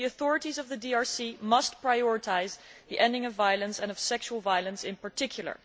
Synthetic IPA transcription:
iɨθɔɹɨtizʌvðɨdiɑɹsimʌst̚pʰɹ̥aɪɔɹɨtʰaɪzðiʔɛ̃ndɪ̃ŋʌvːajəlˠə̃nsɨ̃nʌv̥sɛkʃuwl̩ˠvajlˠə̃nsɪ̃npə˞tɪkʰjl̩ˠə̰˞

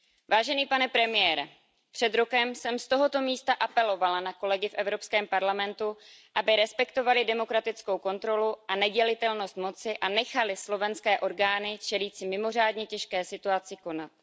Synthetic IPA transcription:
vaːʒɛniːpanɛpɾɛmɪjɛːɾɛ | pr̥ɛd̪ɾo̞kɛmsɛmst̪o̞ɦo̞t̪o̞miːst̪aʔapɛlo̞valanako̞lɛɡɪfʔɛvɾo̞pskɛːmpaɾlamɛnt̪uʔabɪɾɛspɛkt̪o̞valɪdɛmo̞kɾat̪ɪt͡sko̞wko̞nt̪ɾo̞luʔanɛɟɛlɪt̪ɛlno̞st̪mo̞t͡sɪʔanɛxalɪslo̞vɛnskɛːʔo̞ɾɡaːnɪt͡ʃɛliːt͡sɪmɪmo̞r̝aːdɲɛcɛʃkɛːsɪt̪uat͡sɪko̞nat̪̚

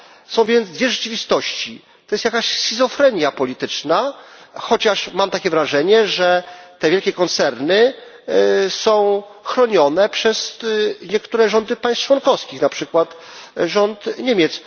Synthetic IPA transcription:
sɔ̃w̃vʲjɛnd̪zd̪vʲjɛʐɛt͡ʂɘvʲist̪ɔɕt͡ɕi | t̪ɔjɛst̪jakaɕsʲizɔfɾɛɲjapɔlʲit̪ɘt͡ʂnaxɔt͡ɕaʂmamt̪akʲɛvɾaʐɛɲɛʐɛt̪ɛvʲjɛlkʲɛkɔnt̪sɛɾnɘ | sɔ̃w̃ | xɾɔɲɔnɛpʂɛzɲɛkt̪uɾɛʐɔnd̪ɘpajst͡ʂwɔnkɔfskʲixnapʂɘkwat̪ | ʐɔnt̪ɲemʲjɛt̪s

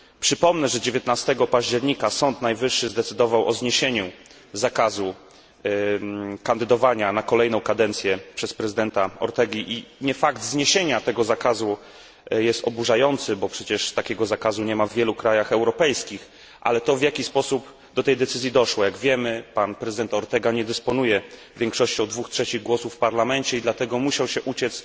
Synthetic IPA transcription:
pʂɘpɔmnɛʐɛd͡ʑevʲjɛt̪nast̪ɛɡɔpaʑd͡ʑɛɾɲikasɔnt̪najvɘʂːɘzd̪ɛt̪sɘd̪ɔvawʔɔzɲeɕeɲu | zakazu | kand̪ɘd̪ɔvaɲanakɔlɛjnɔ̃w̃kad̪ɛnt̪sʲjɛpʂɛspɾɛzɘd̪ɛnt̪aɔ̰ɾt̪ɛɡʲiʔiɲɛfaɡd̪zɲeɕeɲat̪ɛɡɔzakazu | jɛst̪ɔbuʐajɔnt̪sɘbɔpʂɛt͡ɕɛʂst̪akʲɛɡɔzakazuɲɛmavːjɛlukɾajaxɛwɾɔpɛjskʲix | ʔa̰lɛt̪ɔvʲjakʲispɔsup | d̪ɔt̪ɛjd̪ɛt̪sɘzjid̪ɔʂwɔjaɡvʲjɛmɘpanpɾɛzɨd̪ɛnt̪aɔɾt̪ɛɡaɲɛd̪ɛspɔnujɛ | vʲjɛŋkʂɔɕt͡ɕɔ̃w̃d̪vuxtʂɛt͡ɕiɣɡwɔsufːpaɾlamɛnt͡ɕɛid̪lat̪ɛɡɔmuɕawɕɛʔut͡ɕɛt̪s

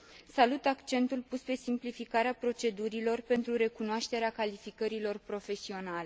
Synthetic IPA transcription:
salut̪akt͡ʃe̞nt̪ulpuspe̞simplifikaɾeapɾo̞t͡ʃe̞d̪uɾilo̞rpe̞nt̪ɾuɾe̞kunoaʃt̪e̞ɾeakalifikəɾilo̞rpɾo̞fe̞sio̞nale̞

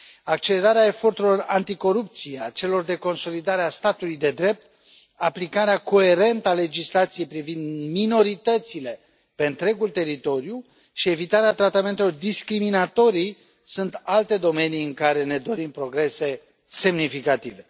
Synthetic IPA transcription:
ak̚t͡ʃe̞le̞ɾaɾeae̞fo̞rt̪uɾilo̞rant̪iko̞ɾup̚t̪sieat͡ʃe̞lo̞rd̪e̞ko̞nso̞lid̪aɾeast̪at̪ulujd̪e̞d̪ɾe̞p̚t̪ | aplikaɾeako̞e̞ɾe̞nt̪əale̞d͡ʒislat̪sijejpɾivind̪mino̞ɾit̪ət̪sile̞ | pe̞ɨnt̪ɾe̞ɡult̪e̞ɾit̪o̞ɾju | ʃie̞vit̪aɾeat̪ɾat̪ame̞nt̪e̞lo̞rd̪iskɾiminat̪o̞ɾij | sunt̪alt̪e̞d̪o̞me̞nijɨŋkaɾe̞ne̞d̪o̞ɾimpɾo̞ɡɾe̞se̞ | se̞mnifikat̪ive̞

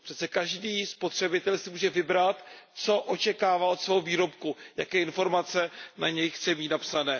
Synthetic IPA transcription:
pr̝̥ɛt̪t͡sɛkaʒdiːspo̞t̪r̝̥ɛbɪt̪ɛlsɪmuːʒɛvɪbɾat̪t͡so̞ʔot͡ʃɛkaːvao̞t̪svɛːɦoviːɾo̞pkujakɛːɪnfo̞ɾmat͡sɛnaɲɛjxt͡sɛmiːt̪napsanɛː

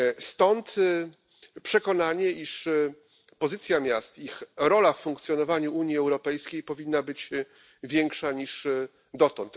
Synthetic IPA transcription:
st̪ɔnt̪ | pʂɛkɔnaɲɛʔiʂ | pɔzɘt̪sʲjamʲjast̪ixɾɔlaffuŋk̚t̪sʲjɔnɔvaɲuʔuɲjiɛwɾɔpɛjskʲejpɔvʲinːabɘt͡ɕ | vʲjɛŋkʂaɲiʂ | d̪ɔt̪ɔnt̪

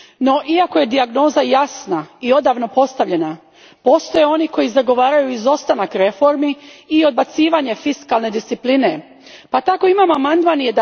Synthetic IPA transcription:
no̞ʔiako̞je̞d̪iaɡno̞ːzajasnaio̞d̪aʋno̞po̞st̪aʋʎe̞na | po̞ːst̪o̞je̞o̞niko̞jizaɡo̞ʋaːɾajuizo̞st̪anakɾe̞fo̞ɾmiːo̞d̪̚bat̪siːʋaɲe̞fiskalne̞d̪ist̪ipline̞ | pat̪ako̞imamoamand̪manijed̪

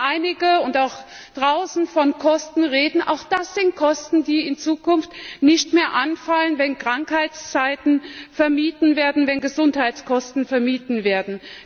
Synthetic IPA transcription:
ʔaɪnɪɡəʊntaʊx | d̥ʁaʊsn̩fɔnkʰɔstn̩ʁeːdn̩ʔa̰ʊxd̥asz̥ɪnt̚kʰɔstn̩diːɪnt͡suːkʰʊnftnɪçtmeːɐʔanfalənvɛnkʁ̥aŋkhaɪt͡st͡saɪtn̩fɛɐmiːtn̩veːɐdn̩vɛnɡəzʊnthaɪt͡skʰɔstn̩fɛɐmiːtn̩veːɐdn̩

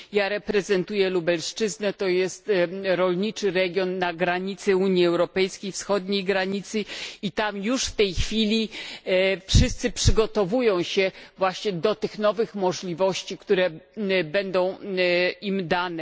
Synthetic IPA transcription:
jaɾɛpɾɛzɛnt̪ujɛlubɛlʂt͡ʂɘznɛt̪ɔjɛst̪ɾɔlʲɲit͡ʂɘɾɛɡʲjɔnːaɡɾaɲit̪sɛuɲjiɛwɾɔpɛjskʲejfsxɔd̪ɲejɡɾaɲit̪sɘit̪amjuʂft̪ɛjxfʲilʲi | fʂɘst̪sɘpʂɘɡɔt̪ɔvujɔ̃w̃ɕɛvwaɕɲɛd̪ɔt̪ɘxnɔvɘxmɔʐlʲivɔɕt͡ɕikt̪uɾɛbɛnd̪ɔ̃w̃ | imd̪anɛ

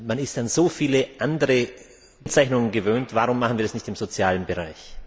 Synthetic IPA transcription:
manɪstanzoːfiːləʔandəʁə | t͡saɪçnʊŋənɡəvøːntvaʁʊmːaχn̩viːɐasnɪçtɪmzot͡sjaːlənbəʁaɪç

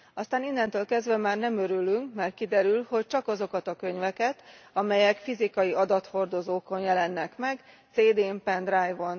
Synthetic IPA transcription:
ɒst̪aːninːɛnt̪øːlkɛzd̪ʋɛmaːrnɛmøɾylyŋkmɛrt̪̚kid̪ɛɾylho̞c̚t͡ʃɒkɒzo̞kɒt̪ɒkø̞ɲvɛkɛt̪ɒmɛjɛkfizikɒjiɒd̪ɒt̪ho̞rd̪o̞zoːko̞njɛlɛnːɛkmɛɡ | t̪seːd̪eːmpɛnd̪rajvon

